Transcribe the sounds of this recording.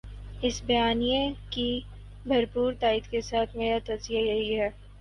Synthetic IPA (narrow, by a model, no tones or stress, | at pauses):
ɪsbɐjaːnijẽki | bʱɐɾpuːɾt̪aːid̪kesaːt̪ʰmeːɾat̪ɐzijajɐɦiɦɛː